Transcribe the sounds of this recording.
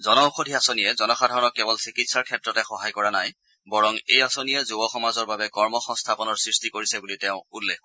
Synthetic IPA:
zɔnɔuxodʱiasonijɛzɔnɔxadʱaɹɔnɔkːɛbɔlsikitsaɹkʰɛtɹɔtɛxɔɦajkɔɹanaj | bɔɹɔŋḛjasonijɛzubɔxɔmazɔɹbabɛkɔɹmɔxɔŋstʰapɔnɔɹsɹistikoɹisɛbulitɛʊ̃ulːek

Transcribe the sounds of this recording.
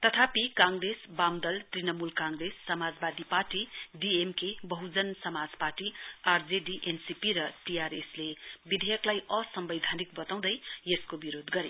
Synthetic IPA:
t̪ʌt̪ʰapikãŋɡɾesbamd̪ʌlt̪rinʌmulkãŋɡresːʌmad͡zbad̪iparʈiɖiemkebʌɦud͡zʌnsʌmad͡zparʈiard͡zeɖiʔensipiɾʌʈiaɾeslebid̪ʱejʌklajʌsʌmbʌjd̪ʱanik̚bʌt̪aw̃d̪ʌjjeskobiɾod̪ɡʌɾe

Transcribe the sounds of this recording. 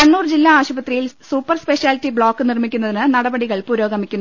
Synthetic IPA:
ɐnːuːrd͡ʑilːaaːɕubɐt̪rijilsuːpːɐrspeɕaːltːibɭo̞ːkːɨnirmikʲːunːɐðinɨnɐɽɐbɐɽiɣɐɭpuːɾo̞ːɡɐmikʲːunː

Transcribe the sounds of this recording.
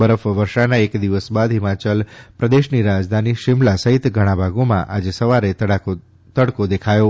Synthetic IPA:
bəɾəfʋəɾʃanaekd̪iʋəsbad̪ɦimãt͡ʃəlpɾəd̪eʃniɾad͡ʒd̪ʱaniʃɪmlasəɦit̪ɡʱəɽ̃ãbʱaɡomã̰ʔad͡ʒesəʋaɾe | t̪əɽkod̪ekʰajo

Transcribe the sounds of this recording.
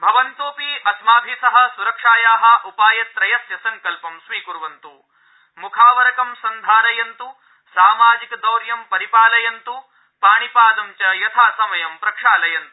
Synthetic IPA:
bʱɐʋɐnt̪uːpiɐsmaːbʱiːsɐɦɐ̆suɾɐkʂaːjaːɦɐ̆ʔupaːjɐt̪ɾɐjɐsjɐsɐŋkɐlpɐmʃʋiːkuɾʋɐnt̪u | mukʰaːʋɐɾɐkɐmsɐnd̪ʱaːɾɐjɐnt̪u | saːmaːd͡ʒikɐd̪ɐwɾjɐmpɐɾipaːlɐjɐnt̪u | paːɳipaːd̪ɐmt͡ʃɐjɐt̪ʰaːsɐmɐjɐmpɾɐkʂaːlɐjɐnt̪

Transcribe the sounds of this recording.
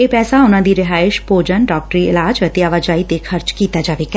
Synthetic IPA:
eːpɛːsaʊnãːd̪iːɾɪɦaːɪʃpoːd͡ʒənɖaːk̚ʈɾiːɪ̰laːd͡ʒət̪eːaʋaːd͡ʒaːit̪eːkʰəɾt͡ʃkiːt̪aːd͡ʒaːʋeːkɛ

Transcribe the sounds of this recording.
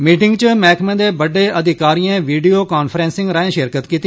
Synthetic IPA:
miːʈɪŋɡt͡ʃəmɛːkʰmɛ̃ːd̪eːbəɖeːʔəd̪ʱɪkaːɾijãːʋiːɖiːoːkaːnpʰɾɛ̃ːnsɪ̃ŋɡɾaːẽːʃɪɾkət̪kiːt̪i

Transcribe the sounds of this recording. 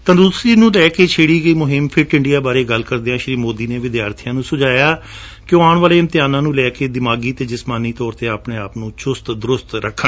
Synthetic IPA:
t̪ãd̪uːsɾiːnũːlɛːkeːt͡ʃʰeːɽiːɡəiːmʊɦɪmpʰɪɾʈɪɳɖijaːbaːɾeːɡəlkəɾd̪eːãːʃɾiːmoːd̪iːneːʋɪd̪jaːɾt̪ʰijãːnũːsʊd͡ʒaːjaː | kɪjõːaːɳʋaːleːɪnt̪ɪjaːnãːnũːlɛːkeːd̪ɪmaːɡiːt̪eːd͡ʒɪsmaːniːt̪ɔːɾt̪eːaːpneːaːpnũːt͡ʃʊst̪d̪ʊɾʊst̪ɾəkʰːə

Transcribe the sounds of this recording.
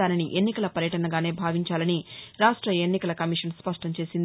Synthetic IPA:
aːniniʔe̞nːikɐlɐpɐɾjɐʈɐnɐɡaːne̞ːbʱaːʋiɲt͡ʃaːlɐniɾaːʂʈɾɐenːikɐlɐkɐmiʂɐnspɐʂʈɐmt͡ʃe̞ːsind̪

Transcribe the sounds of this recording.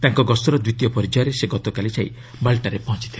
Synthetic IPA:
t̪aŋkɔɡɔsɔɾɔd̪wit̪ijɔpɔɾid͡ʒajɾeseɡɔt̪ɔkalit͡ʃʰaḭ | balʈaɾepɔɦɔ̃t͡ʃi̥t̪ʰil

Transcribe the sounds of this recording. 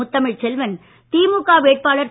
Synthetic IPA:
ʊt̪ːɐmɪɭt͡ʃɛlʋɐn | t̪iːmukːaːʋeːʈ̚paːɭɐɾ

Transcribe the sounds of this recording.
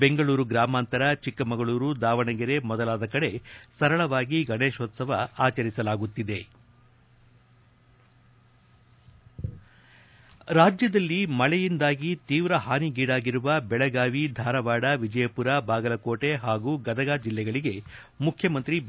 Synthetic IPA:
beŋɡɐɭuːɾuɡɾaːmaːnt̪ɐɾɐt͡ʃikːɐmɐɡɐɭuːɾud̪aːʋɐɳɐɡiɾe̞mɔd̪ɐlaːd̪ɐkɐɽe̞sɐɾɐɭɐʋaːɡiɡɐne̞ːʃoːt̪sɐʋɐaːt͡ʃɐɾisɐlaːɡut̪ːid̪e̞ | ɾaːd͡ʒjɐd̪ɐlːimɐɭɛjind̪aːɡit̪iːʋɾɐɦaːniɡiːɽaːɡiɾuʋɐbɛɭɐɡaːʋid̪ʱaːɾɐʋaːɽɐʋid͡ʒɐjɐpuɾabaːɡɐlɐkoːʈe̞ɦaːɡuːɡɐd̪ɐɡaːd͡ʒilːɛɡɐɭiɡe | mukʰjɐmɐnt̪ɾi

